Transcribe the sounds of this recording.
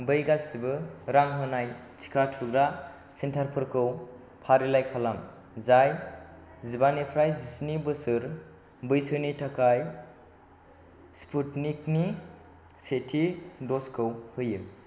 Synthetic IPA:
bɯjɡasibɯɾaŋɦɯnaj | t͡ʃʰi̥kʰatʰuɡɾa | sentʰaɾpʰɯɾkʰɯw | pʰaɾilajkʰalam | zaj | zibanipʰɾajisnibɯsɯɾ | bɯjsɯnitʰakʰaj | spʰutnikni | setʰidɔskʰɯwhɯjɯ

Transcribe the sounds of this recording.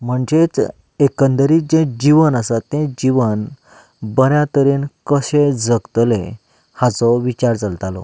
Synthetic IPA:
m̤əɳd͡ʑet͡s | ekənd̪əɾiːd͡ʑẽd͡ʑiʋənəsat̪ːẽd͡ʑiʋən | bənjat̪əɾeːnkəɕẽd͡zəɡt̪le | hat͡sɔʋit͡ɕaɾt͡salt̪alɔ̰

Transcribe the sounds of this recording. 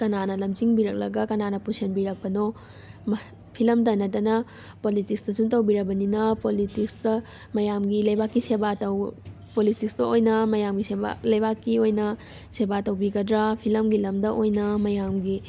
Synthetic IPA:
kɐnanɐlɐmd͡ʒiŋbiɾɐk̚lɐɡɐkɐnanɐpusenbiɾɐk̚pɐno | mɐ | pʰilɐmdɐnɐtɐnɐ | politikstɐsuntɐwbiɾɐbɐninɐpolitikstɐ | mɐjamɡilɐjbakːisebatɐw | politikstɐojnɐmɐjamɡisea̰lɐjbakːiojnɐ | sebatɐwbiɡɐdɾapʰilɐmɡilɐmdɐʔojnɐmɐjamɡi

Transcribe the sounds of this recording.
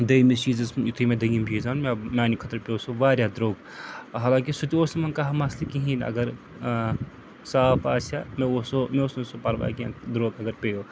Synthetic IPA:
d̪ɐimit͡ʃiːzɐzjit̪ʰimẽd̪ɐjimbʱiːzaːnmemʲaːnikʰɐt̪ɐɾpeoːsoʋaːɾjad̪ɾoːɡ | ɦaːlãːŋkisʊt̪ioːsɐmɐnkaɦɐmɐslikiɦĩnɐ̰ɡɐɾ | saːfaːsameosomeosesopɐɾʋa̰ːkiã̰ːd̪ɾoːɡɐɡɐɾpejoː

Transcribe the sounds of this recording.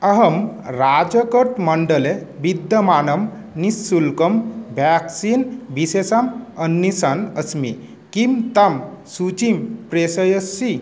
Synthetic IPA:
ɐɦəmɾad͡ʒɐkəɾt̪mɐɳɖəlebid̪jɐmanəm | nisːulkəmbʱaksiːnbisesamənːisanəsmi | kimt̪amsut͡ɕimpɾesəjəsːi

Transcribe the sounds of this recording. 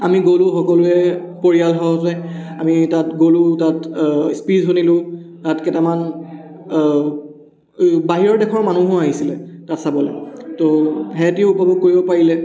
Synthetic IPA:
amiɡolʊxɔkɔlʊɛ | poɹialɦɔɔtɛamitatɡolʊtatspizɦunilʊ̃ | tatkɛtaman | baɦiɹɔɹdɛkʰɔɹmanuɦʊ̃aɦisilɛtatsabɔlɛtoɦɛtiupɔbɔɡ̚koɹibɔpaɹilɛ

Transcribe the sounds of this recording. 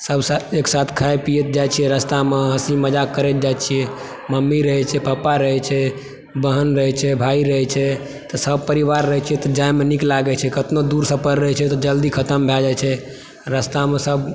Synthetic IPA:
səbsaeksat̪ʰkʰaepijet̪̚d͡ʒajt͡ʃʰijɛɾəst̪ameɦəsiməd͡ʒakːəɾet̪̚d͡ʒat͡ʃʰiɛ | məmːiɾəɦɛt͡ʃʰɛpapaɾəɦɛt͡ʃʰɛ | bəɦənɾəɦɛt͡ʃʰɛbʱaiɾəɦɛt͡ʃʰɛ | t̪ɔsəb̚ʱpəɾiʋaɾːəɦɛt͡ʃʰiɛt̪ɔd͡ʒajmeniklaɡɛt͡ʃʰɛkət̪nod̪uɾsə̃pəɾɾəɦɛt͡ʃʰɛt̪ɔd͡ʒəld̪ikʰət̪əmbʱɛd͡ʒat͡ʃʰɛ | ɾəst̪amesəb

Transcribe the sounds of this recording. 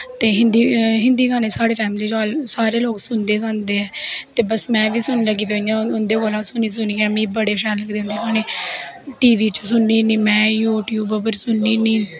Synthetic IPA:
t̪eːɦɪnd̪iɦɪnd̪iːkʰaːneːsaːɽeːpʰɛːmliːd͡ʒaːlsaːɾeːloːksʊnd̪eːsãːnd̪eːɛːt̪eːbəsmɛ̃ːʋiːsʊnləɡiːpejãːʊnd̪eːkoːlãːsʊniːs̬ʊniːɛ̃ːmĩːbəɽeːʃɛːləɡd̪ẽːnd̪iːkʰaːneː | ʈiːʋiːt͡ʃsʊnːiːnĩːmɛ̃ːjuːʈjuːbəpəɾsʊnːiːnĩː

